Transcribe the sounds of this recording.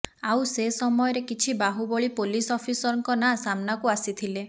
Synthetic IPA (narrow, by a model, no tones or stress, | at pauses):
awsesɔmɔjɔɾekit͡ʃʰibaɦubɔɭipolisɔpʰisɔɾɔŋkɔnasamnakuasit̪ʰile